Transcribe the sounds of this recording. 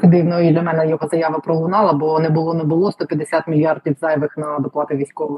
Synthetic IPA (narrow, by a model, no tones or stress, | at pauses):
kd̪ɪʋnɔid̪lʲɐmɛnɛjɔɦɔzɐjaʋɐpɾɔlˠʊnɑlˠɐbɔnɛbʊlˠɔnɛbʊlˠɔst̪ɔpʲjɐd̪esʲat̪mʲilʲjɑrd̪̚tʲiwzɑjʋɪxnɐd̪ɔplˠɑt̪ɪʋʲisʲkɔʋɔ